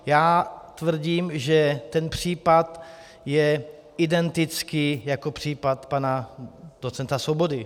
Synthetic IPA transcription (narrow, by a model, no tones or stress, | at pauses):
jaːt̪vr̩ɟiːmʒɛt̪ɛnpr̝̥iːpat̪ | jɛ | ɪdɛnt̪ɪt͡skɪjako̞pr̝̥iːpat̪panadot͡sɛnt̪asvobo̞dɪ